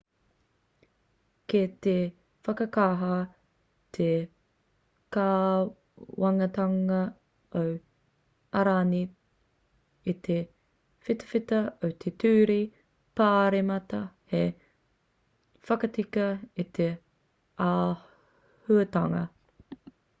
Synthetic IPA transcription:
ket̪e | fɐkɐkaːɦa | t̪ʰe | kaː | wɐŋɐt̪ɐŋɐ | ow | ɐɾaːni | it̪ʰe | fit̪ɐ̥fit̪ɐowt̪ʰetʰʉːɾi | paːɾemɐt̪ɐhe | fɐkɐtikɐit̪ʰe | aː | hʉɐt̪ɐŋɐ

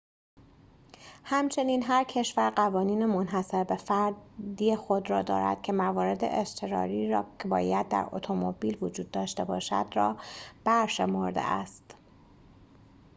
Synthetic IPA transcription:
hæmt͡ʃʰe̞niːnɦæɾcʰe̞ʃvæɾɢævɒːniːnemonɦæse̞ɾbe̞fæɾd̪ijexo̞d̪ɾɒːd̪ɒ̰ːɾæ̰d̪̥cʰe̞mævɒːɾe̞d̪ḛʔest̪ʰeɾɒ̰ːɾiːɾɒːcʰebɒːjæd̪̚ːæ̰ɾo̰t̪ʰo̞mobiːlvod͡ʒuːd̪ːɒːʃt̪e̞bɒːʃæ̰d̪rɒːb̥æɾʃe̞mo̞ɾd̪ḛʔæ̰st̪

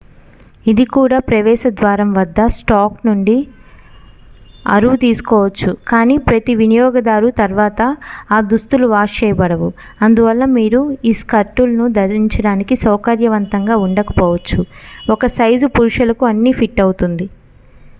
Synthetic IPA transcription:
id̪ikuːɽaːpɾɐʋɛːʃɐd̪ʋaːɾɐmʋɐd̪ːɐsʈaːknuɳɖi | ɐ̰ɾuʋut̪iːsu̥kɔːʋɐt͡ʃːukaːniːpɾɐt̪iʋinijɔːɡɐd̪aːɾut̪ɐɾʋaːt̪ɐaːd̪ust̪uluʋaːt͡ʃɛːjɐbɐɽɐʋu | ɐnd̪uʋɐlːɐmiːɾuiːskɐɾʈulɐnud̪ɐɾiɲt͡ʃɐɽaːnikisɐwkɐɾjɐʋɐnt̪ɐŋɡaːuɳɖɐkɐ̥pɔːʋɐt͡ʃːuɔkɐsɐjd͡ʒupuɾʂɐlɐkuɐnːipʰiʈːɐwut̪und̪i

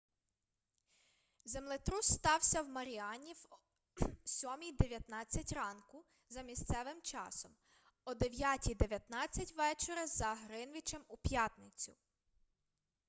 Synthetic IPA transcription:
zemlˠɪt̪ɾust̪ɑwsʲɐwmɐɾʲiɑnʲiw | sʲɔmʲijd̪e̞ʋʲjɐt̪nɑt͡sʲːɐtʲrɑnkʊ | zɐmʲist̪sɛʋɪmt͡ʃɑ̰sɔm | ɔd̪eʋʲjatʲijd̪e̞ʋʲjɐt̪nɑt͡sʲːɐtʲʋɛt͡ʃeɾɐzɐɦɾɪnʋʲit͡ʃɛmupʲjɑt̪nɪt͡sʲʊ

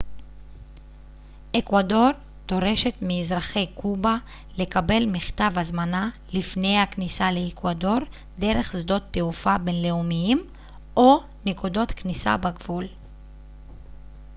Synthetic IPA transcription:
ʔekwado̞ʁ | t̪o̞ʁe̞ʃe̞t̪miːzʁaχe̞jkuba | le̞kabe̞lmiχt̪avazmana | lifne̞jhaknisale̞ːkwado̞ʁ | de̞ʁe̞χzdo̞t̪ːeufabe̞nle̞umijim | ʔo | nekudo̞t̪knisa̰baɡvul

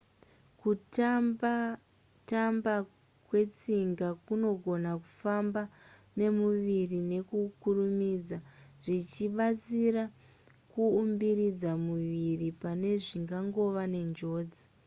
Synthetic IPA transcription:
kuta | tamba | kwe̞t͡siŋɡakuno̞ɡʱo̞naku̥fambane̞muʋirine̞kukurumid͡zaʐit͡ʃiɓat͡sira | kuːmbiɾid͡zamuʋiripane̞ʐiŋɡaŋɡo̞ʋane̞nd͡ʒo̞ːd͡zi

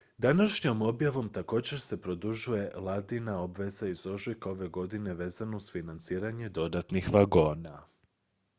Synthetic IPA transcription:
d̪anaʃɲo̞mo̞bjaʋo̞mt̪ako̞ːd͡ʑe̞ɾse̞pɾo̞d̪uʒuje̞lˠad̪inao̞bʋe̞zaizo̞ʒlikao̞ʋe̞ɡo̞d̪ine̞ʋe̞ːzanouzfinant̪siːɾaɲe̞d̪o̞d̪at̪nixʋaɡo̞ːna

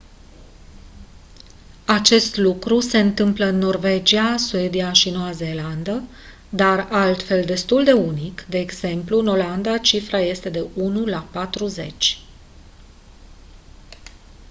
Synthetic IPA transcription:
at͡ʃe̞st̪lukɾuse̞ɨnt̪ɨmpləɨnːo̞rve̞d͡ʒiasue̞d̪iaʃinoaze̞land̪ə | d̪aralt̪fe̞ld̪e̞st̪uld̪e̞unikd̪e̞ːɡz̥e̞mpluno̞land̪at͡ʃifɾaje̞st̪e̞d̪e̞unulapat̪ɾuze̞̰t͡ʃʲ

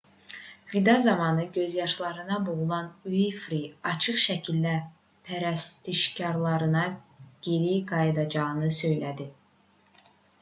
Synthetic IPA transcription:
vid̪ɑzɑmɑnɯɟø̞zjɑʃlˠɑɾɯnɑboʁulˠɑnyifɾiɑt͡ʃʰɯχʃæcʰilːæ | pʰæɾæst̪ʰiʃcɑɾlˠɑɾɯnɑɟ̥eɾiɡɑjɯd̪ɑd͡ʒɑɣɯnɯsø̞jlæd̪i

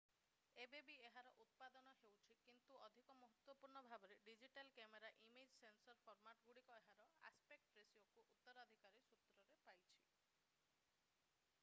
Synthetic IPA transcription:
ebebieɦaɾɔʔut̪̚pad̪ɔnɔɦewt͡ʃʰikint̪uɔd̪ʱikɔmɔɦɔt̪wɔpuɾɳɔbʱabɔɾeɖid͡ʒiʈalkemeɾaʔimed͡ʒsensɔɾpʰɔɾmaʈɔɡuɽikɔeɦaɾɔa̰spek̚ʈpɾesiokuʔut̪ːɔɾɔd̪ʱikaɾisut̪ɾɔɾepajt͡ʃʰi̥

